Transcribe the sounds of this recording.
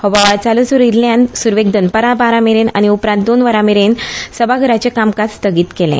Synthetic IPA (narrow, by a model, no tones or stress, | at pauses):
hobaʋat͡salusuɾiɾljãnsuɾʋeɡ̚d̪ənpəɾabaɾameɾena̰ñiupɾant̪̚d̪onʋəɾãmeɾensəbʱaɡʱəɾat͡ɕekamkast̪ʰəɡiːt̪kelḛ̃